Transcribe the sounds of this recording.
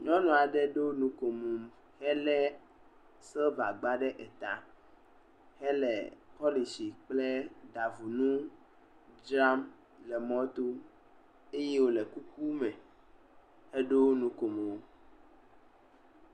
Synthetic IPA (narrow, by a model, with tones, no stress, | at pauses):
ɲɔ̃˦nɔ̃˨a˨ɖɛ˦ɖo˦nũ˨ko˨mũ˨m | hɛ˦lɛ˦ | sɛ˦va˨ɡ͡ba˦ɖɛ˦ʔɛ˨t̪a˨ | hɛ˦lɛ̰˨pɔ˦li˨si˨k͡plɛ˦ɖa˨vu˨nũ˦ | d͡ʒɾa˦m | lɛ˨mɔ̃˦t̪o˦ | e˦je˦wo˦lɛ˨ku˦ku˦mɛ̃˨ | hɛ˦ɖo˦nũ˦ko˨mẽ˨wo˦